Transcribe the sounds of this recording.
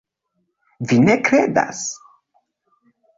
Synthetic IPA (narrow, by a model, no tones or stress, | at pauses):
vine̞kɾeda̰s